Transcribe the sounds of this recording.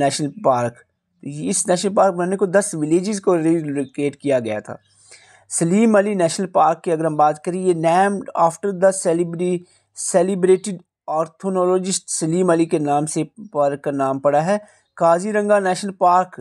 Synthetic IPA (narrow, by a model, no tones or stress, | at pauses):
nɛːʃnəlpaːɾk | ɪsnɛːʃnəlpaːɾk̚bənnekod̪ɐsʋɪleːd͡ʒɪzkoɾiɪkeːʈkijaɡɐjat̪ʰa̰ː | səliːməlinɛːʃnəlpaːɾkːeɐɡəɾɦɐ̃mbaːt̪kəɾĩjenɛːmaːfʰʈəɾd̪asbɾ | seːlibɾeːʈɪɖ | aːɾt̪ʰonoːloːd͡ʒɪsʈsəliːməlikenaːmsepəɾkanaːmpɐɽaɦɛː | kaːziɾə̃ŋɡanɛːʃnəlpaːɾk